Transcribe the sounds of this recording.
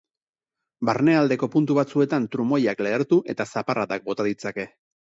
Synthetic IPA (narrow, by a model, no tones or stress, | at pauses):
baɾne̞ald̪e̞ko̞punt̪uβat͡sue̞t̪ant̪ɾumo̞jakle̞ːɾt̪uʔe̞t̪asaparat̪ak̚bo̞t̪aðit͡sake̞